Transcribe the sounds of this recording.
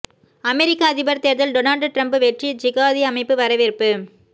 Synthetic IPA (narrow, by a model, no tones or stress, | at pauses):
ɐmɛɾɪkːaɐðɪbɐɾt̪eːɾðɐlɖonaːlɖʈɾɐmbɯʋɛʈrid͡ʒɪɣaːðiɐmɐɪpːɯʋɐɾɐʋɪɾpːɯ